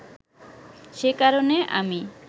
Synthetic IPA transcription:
ʃekaɾoneʔa̰mi

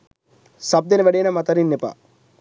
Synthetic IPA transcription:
sɐb̚d̪enɐʋɐɖejːnɐmɐt̪ɐɾinːepa̰

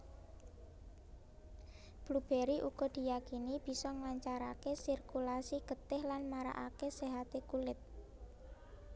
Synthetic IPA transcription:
b̥lub̥eɾiʔuɡ̥ɔ̤d̪̥i̤jakinib̥i̤sɔŋlaɲt͡ʃaɾakesirkulasiɡ̥ə̤t̪ɪhlanmaɾa̰ʔakeseɦat̪ekulɪt̪̚

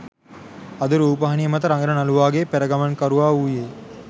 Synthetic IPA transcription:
ad̪uɾuːpəɦɐnijəmɐt̪əɾaŋɡəɾənaluʋaːɡepæɾəɡamankaɾuʋaːuːje

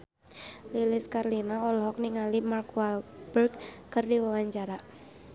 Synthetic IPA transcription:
lilɪskarlinaɔlɔɦɔk̚niŋalimarkualbərkkərdiwawaɲt͡ʃaɾa

